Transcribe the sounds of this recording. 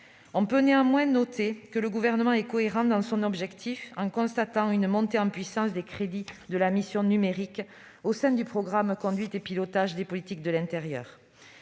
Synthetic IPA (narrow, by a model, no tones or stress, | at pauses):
ɔ̃pøneɑ̃mwɛ̃nɔt̪ekələɡuvɛʁnəmɑ̃ɛkɔeʁɑ̃d̪ɑ̃sɔ̃nɔbʒɛkt̪ʰifɑ̃kɔ̃st̪at̪ɑ̃ynmɔ̃t̪eɑ̃pɥisɑ̃sd̪ekχed̪id̪əlamisjɔ̃nymeʁik | osɛ̃d̪ypχɔɡʁamkɔ̃d̪ɥit̪epilɔt̪aʒd̪epɔlit̪ik̚d̪əlɛ̃t̪eʁjœ̰ːʁ